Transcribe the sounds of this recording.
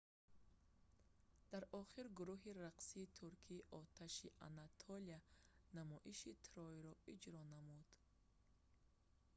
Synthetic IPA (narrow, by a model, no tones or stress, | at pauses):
d̪̥aɾʔɔχiɾɡuɾuɦiɾaqsiːt̪ʰuɾkʰiːʔɔt̪ʰaʃiʔa̰nat̪ʰɔlianamɔʔiʃit̪ʰɾɔiɾɔid͡ʒɾɔnamud̪̥